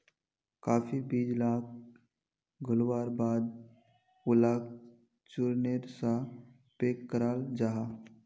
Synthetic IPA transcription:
kaːfʰibiːd͡ʒlaːk̚ | ɡʱəlwaːɾbaːd̪̚ | ʊlaːk̚ | t͡ʃuɾneɾsa | peːkːəɾaːld͡ʒaːɦaː

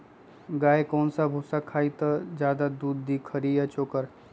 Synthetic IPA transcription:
ɡaːekɔːnsabʱusakʰaːit̪ɐd͡ʒjaːd̪ad̪uːd̪ːiːkʰəɾiːjat͡ʃoːkəɾ

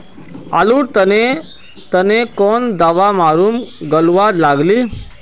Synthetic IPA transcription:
a̰luɽt̪əne | t̪ənekɔnd̪aʋamaːɾumɡəlʋad̪laːɡli

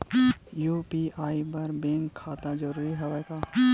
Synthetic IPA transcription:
juːpiaːibɐɾbẽːŋkʰːaːt̪ãd͡ʒəɾuːɾiɦɛʋakaː

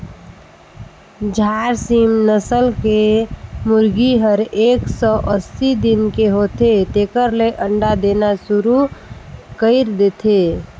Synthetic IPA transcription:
d͡ʒʱaɾsimnəsəlkemuɾɡiɦəɾeksɔʔəsid̪inkeɦot̪et̪ekəɾleʔəɳɖad̪enasuɾu | kəɪɾd̪et̪ʰe

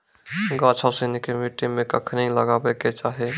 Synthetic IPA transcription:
ɡaːt͡ʃʰasinikemiʈimẽkəkʰniləɡaːbeket͡ʃaːɦe

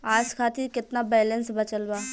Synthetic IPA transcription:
aːd͡ʒkʰaːt̪iɾkɪt̪nabɛːlə̃nsbɐt͡ʃəlbaː

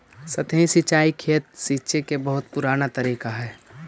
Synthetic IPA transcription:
sɐt̪ə̃ĩsit͡ʃaːikʰeːt̪̚siːt͡ʃekebɐɦʊt̪pʊɾaːnat̪ɐɾiːkaɦɛː

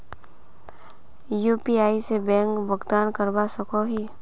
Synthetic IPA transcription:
juːpiaːisebɛ̃ːŋkbəɡd̪aːnkəɾbasəkoɦiː

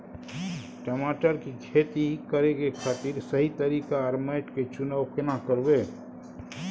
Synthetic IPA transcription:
ʈəmaːʈəɾkikʰeːt̪ikəɾeɡekʰat̪iːɾsɐɦit̪əɾiːkaəɾmaɪʈket͡ʃʊnaːʊkʰɪnakəɾweː

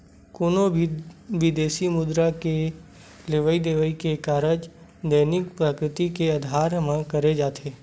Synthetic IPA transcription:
koːno | ʋɪd̪eːʃimʊd̪ɾake | leʋəid̪eʋəikekaːɾəd͡ʒ | d̪əːnɪk̚pɾaːkɾɪt̪ikeəd̪ʱaːɾmãkəɾed͡ʒaːt̪ʰeː

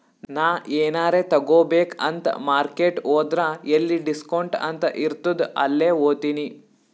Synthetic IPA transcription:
naːeːnaːɾet̪ɐɡoːbeːkɐnt̪ɐ̰maːɾkeːʈoːd̪ɾaelːiɖiskɐoɳʈɐ̰nt̪ɐʔiɾt̪ud̪ɐ̰lːeːoːt̪ini

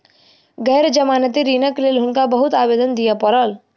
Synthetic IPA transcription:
ɡɛːɾd͡ʒəmaːnət̪iɾiːnəkleːlɦʊnkabəɦʊt̪aːbeːd̪ənd̪ijapəɾəl

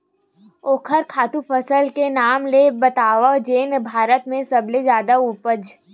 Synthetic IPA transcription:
oːkʰəɾkʰaːt̪ũpəsəlkenaːmlebɐt̪aːʋad͡ʒeːnbʱaːɾət̪mẽsɐblezjaːd̪aupəd͡ʒ

